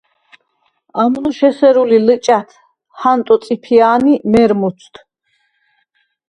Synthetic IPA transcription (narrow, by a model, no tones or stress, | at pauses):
amnuʃɛsɛɾulilət͡ʃʼat̪ʰ | hant̪ʼɔt̪sʼipʰiaːnimɛɾmut̪sʰt̪ʰ